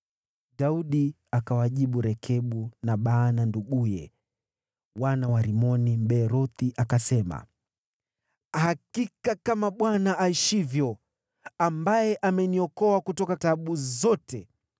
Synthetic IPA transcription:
ɗauɗi | akawaʄiɓuɾɛkʰɛɓunaɓaːnanduɡujɛ | wanawaɾimɔnim̩ɓɛːɾɔθiʔakasɛma̰ | hakikakamaɓwanaʔaiʃivjɔ | ambajɛʔamɛniɔkɔakutɔkataɓuzɔtɛ

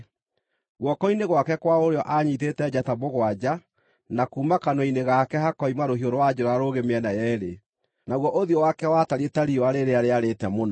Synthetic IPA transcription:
ɣwɔkɔineɣwakɛkwaoɾeɔʔaɲitetɛd͡ʑataboɣwad͡ʑa | nakuːmakanɔineɣakɛhakɔimaɾoɦioɾowad͡ʑoɾaɾoɣemeɛnajɛɾe | naɣwɔʔoðiɔwakɛwataɾietaɾioaɾeɾeaɾeaɾetɛmonɔ

